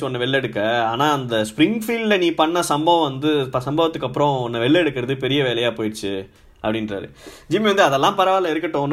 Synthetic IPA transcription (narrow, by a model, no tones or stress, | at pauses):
ɯɔnːɐʋɛɭːɛɽɯkːɐaːnaːɐnd̪ɐspɾɪŋɡfiːɖlɐniːpɐɳːɐsɐmbɐʋɐ̃ʋɐnd̪ɯɐsɐmbɐʋɐt̪ːɯkːɐpːɯɾɔ̃ɔnːɐʋɛɭːɛɽɯkːɪɾɐðɯp̬ɛɾɪjɐʋeːlɐjaːpoːjɪʈt͡ʃːɯ | ʔɐ̰pːɐɽɪnɾa̰ːɾɯ̰d͡ʒɪmiʋɐnd̪ɯɐðɛlːãːpɐɾɐʋaːlɐɪɾɯkːɪʈːõːn